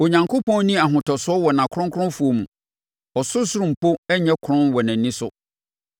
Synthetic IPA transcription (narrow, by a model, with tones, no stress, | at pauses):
o˨ɲã˨ŋkʰo˦pʰɔ̃˦n˦nĩ˦a˨ɦʊ̃˨tʰɔ˨sʊ˦ɔ˦wɔ˨nã˨kʰɾʊ̃˦ŋkʰɾʊ̃˦fu˨o˨mũ˨ | ɔ˨sʊ˦sʊ˦ɾʊ̃˨m̩˨pʰo˦ɛ˦ɲɛ̃˦kʰʊ˨ɾʊ̃˦nwɔ˨nã˨nːĩ˦sʊ˨